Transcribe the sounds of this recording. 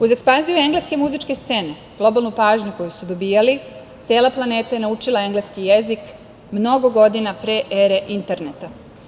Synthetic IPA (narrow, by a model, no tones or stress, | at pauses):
uze̞kspanzijue̞ŋɡleske̞muzit͡ʃke̞st̪se̞ːne̞ | ɡ̥lˠo̞balˠnupaːʒɲuko̞jusud̪o̞biːjali | t̪seːlaplˠane̞ːt̪aje̞naut͡ʃilˠae̞ŋɡleskijezik | mno̞ɡoɡo̞d̪inapɾeʔeɾe̞ʔint̪e̞ɾnet̪a